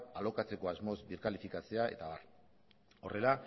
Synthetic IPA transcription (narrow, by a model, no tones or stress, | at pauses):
alo̞kat͡se̞ko̞azmo̞zbiɾkalifikat͡se̞ae̞̰t̪aβa̰r | o̞re̞la